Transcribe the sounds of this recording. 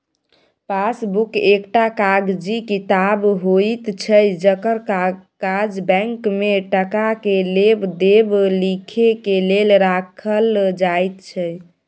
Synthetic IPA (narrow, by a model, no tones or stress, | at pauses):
pasbukekʈakaɡd͡ʒikit̪abɦojt̪t͡ʃʰəjd͡ʒəkəɾkad͡ʒbɛ̃ŋkmeʈəkakelebd̪eblikʰekelelɾakʰəld͡ʒajt̪t͡ʃʰə